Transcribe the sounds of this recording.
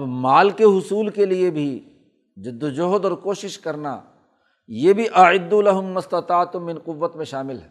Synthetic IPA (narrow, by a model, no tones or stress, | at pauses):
bmaːlkeɦʊsuːlkeliebʱi | d͡ʒɪd̪ːd͡ʒoɦd̪ɔːɾkoːʃɪʃkɐɾna̰ | jeːbʱiʔɐʕɪd̪ːulɐɦʊmːɐst̪ɐt̪aːt̪mɪ̃nqʊʋːət̪mẽʃaːmɪlɦɛː